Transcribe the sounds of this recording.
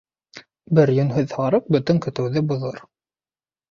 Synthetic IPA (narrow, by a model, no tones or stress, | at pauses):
bɘɾjɵ̆nɦɵðhɑɾɤq̚bɵ̆t̪ɵŋkɵ̆t̪ɘ̆wðɘbŏðoɾ